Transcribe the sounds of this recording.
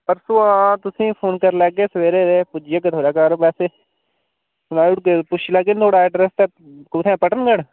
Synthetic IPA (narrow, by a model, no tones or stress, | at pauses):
pəɾsuãːt̪ʊsĩːpʰoːnkəɾlɛːɡeːsəʋeːɾeːɾeːpʊd͡ʒɪjaket̪ʰoːɽaːkaːɾbɛːseː | sʊnaːjʊʈkepʊʃɪlaːk̬ɪnt̪ʰoːɽaːɛɖɾest̪ɛː | kuːt̪ʰɛ̃ːpəʈənɡəɳ